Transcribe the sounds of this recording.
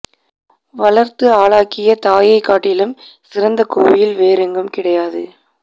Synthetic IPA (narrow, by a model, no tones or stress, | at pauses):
ʋɐlɐɾt̪ɯaːɭaːkɪjɐt̪aːjɐɪkːaːʈːɪlɯmsɪɾɐnd̪ɐkoːʋɪjɪlʋeːɾɪŋɡɯmkɪɽɐjaːðɯ